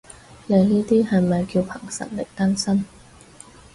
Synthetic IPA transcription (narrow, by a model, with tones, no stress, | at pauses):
le˨˧jniː˥t̪iː˥hɐ˨jmɐ˨jki˧wpʰɐ˨˩ŋsɐ̰˨˩nlɪ˨k̚t̪ɐ˥nsɐ˥n